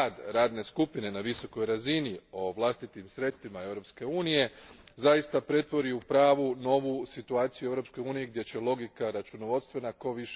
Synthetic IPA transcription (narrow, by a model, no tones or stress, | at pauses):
ad̪ɾaːd̪ne̞skupine̞naʋiso̞ko̞jɾazinio̞ʋlˠast̪it̪imsɾe̞t̪st̪ʋimae̞ʋɾo̞pske̞uːnije̞zajist̪apɾe̞t̪ʋo̞ɾiupɾaːʋuno̞ʋusit̪uaːt̪sijue̞ʋɾopsko̞juːnijiɡ̚d̪ʲje̞t͡ɕe̞lo̞ɡikaɾat͡ʃuno̞ʋo̞d̪st̪ʋenako̞ʋiʃ